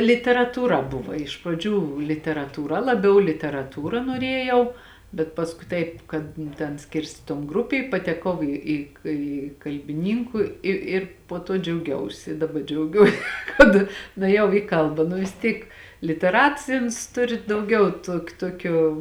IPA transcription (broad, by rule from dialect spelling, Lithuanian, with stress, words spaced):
lʲɪtʲɛrɐtuːˈrɐ ˈbʊʋɐ ɪʃ prɐˈd͡ʒʲuː lʲɪtʲɛrɐtuːˈrɐ lˠɐˈbʲɛʊ lʲɪtʲɛrɐˈtuːrɐ noːˈrʲeːjɛʊ bʲɛt pɐsˈkʊɪ ˈtɐɪp kɐt nʊ ˈtʲɛn ˈsʲkʲɪrʲsʲtʲeː toːn ˈɡrʊpʲeː ɪ pɐtʲɛˈkɐʊ ˈiː iː kʲɪ kɐlʲbʲɪˈnʲiːŋkʊ ˈɪ ɪr poː ˈtoː d͡ʒʲɛʊˈɡʲɛʊsʲɪ dɐˈbɐ d͡ʒʲɛʊˈɡʲuɔ kɐt nʊeːˈjɛʊ iː ˈkɐlˠbɐ nʊ ʋʲɪs ˈtʲiːk lʲɪtʲɛˈrɐts ˈɪ ʊns ˈtʊrʲɪ dɐʊˈɡʲɛʊ ˈtuɔk ˈtuɔkʲoː